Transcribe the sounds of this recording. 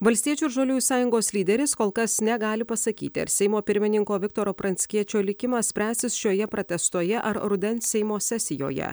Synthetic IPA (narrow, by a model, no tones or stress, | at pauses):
ʋɐlʲst̪iɛt͡ʃʲuːɪɾʒoːlʲuːjsɑːjʊŋɡoːslʲiːd̪ʲɛɾʲɪskoːlˠkɐsnʲɛɡɑːlʲɪpɐsɐkʲḭːt̪ʲɪɐ̰ɾsʲɛɪmoːpʲɪɾʲmʲɪnʲɪŋkoːʋʲɪk̚t̪oːɾoːpɾɐnʲsʲkʲiɛt͡ʃʲoːlʲɪkʲɪmɑːsʲpʲɾʲæːsʲɪsʃʲoːjɛpɾot̪ʲɛst̪oːjɛʔɐɾɾʊd̪ʲɛnssʲɛɪmoːsʲɛsʲɪjo̰ːjɛ̰